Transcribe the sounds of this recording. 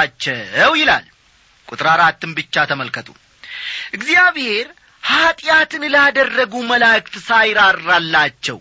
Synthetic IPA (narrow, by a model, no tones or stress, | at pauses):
t͡ʃːɛwjɪla̰l | kʼut̪ʼɨɾaɾat̪ʰːɨmbɨt͡ʃːat̪ʰəməlkʰət̪ʰʼṵ | ʔɨɡzijaβhe̞ɾ | hat̪ʼjat̪ʰɨnləad̪ərːəɡuməlakʼt̪sajɾaɾːalːat͡ʃːɛ̰w